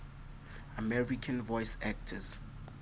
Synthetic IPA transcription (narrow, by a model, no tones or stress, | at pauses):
amɛɹikʰãnvɔjsɛk̚tʰəz̥